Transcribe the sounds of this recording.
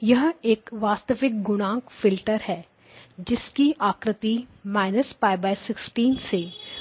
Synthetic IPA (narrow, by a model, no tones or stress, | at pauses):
jɐɦeːkʋaːst̪əʋɪk̚ɡʊñãːŋkfɪlʈəɾɦɛː | d͡ʒɪskiaːkɾɪt̪imaːɪnəspaːɪbaːɪsɪksʈiːnse